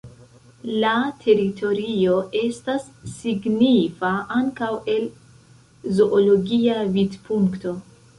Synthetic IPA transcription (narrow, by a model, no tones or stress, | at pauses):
latʰe̞ɾitʰo̞ɾio̞ʔe̞stasː | iɡnifaʔaŋkawe̞l | zo̞ʔolo̞ɡiavidpʰuŋkto̞